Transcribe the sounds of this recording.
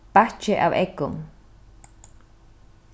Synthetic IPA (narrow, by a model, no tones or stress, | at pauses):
paht͡ʃeʔa̰βekʊm